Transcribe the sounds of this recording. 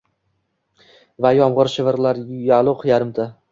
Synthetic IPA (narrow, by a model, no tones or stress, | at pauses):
vajɒmʁɨɾʃɪvɪɾlaɾjalˠʊqʰjaɾɪmt̪ʰa